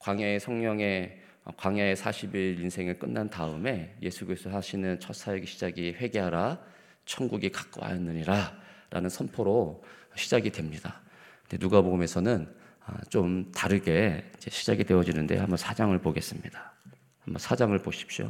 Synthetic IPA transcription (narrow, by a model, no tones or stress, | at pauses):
kwaŋaesʰʌŋɲʌŋe̞ | ʌ̰kwaŋaesʰaɕʰibiɾinsʰe̞ŋɯɭk͈ɯnːantaɯme̞je̞sʰuɡisʰohaɕʰinɯnt͡ɕʰʌs͈ʰajeɡeɕʰid͡ʑaɡiɸwe̞ɡe̞ɦaɾa | t͡ɕʰʌnɡuɡikḁk͈wa̰jʌnːɯɲiɾaɾa̰nɯnsʰʌnpʰʌɾoɕʰid͡ʑaɡidwe̞mɲida | kɯnde̞̰nuɡaboɡme̞sʰʌnɯn | ʌ̰t͡ɕomtaɾɯɡe̞id͡ʑe̞ɕʰid͡ʑaɡidwe̞ʌd͡ʑinɯndḛhambʌnsʰad͡ʑaŋɯɭpoɡe̞s͈ɯmɲid̥a | hambʌnsʰad͡ʑaŋɯɭpoɕʰi̥p̚ɕ͈o̰